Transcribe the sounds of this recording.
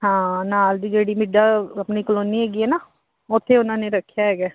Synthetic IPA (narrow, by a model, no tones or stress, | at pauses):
ɦãːnaːld̪iːd͡ʒeːɽiːmɪɖaːəpniːkəloːniːɦɛːɡiːɦɛːnaː | ʊt̪ʰːeːʊnãːneːɾəkʰːjaːɦɛːɡaː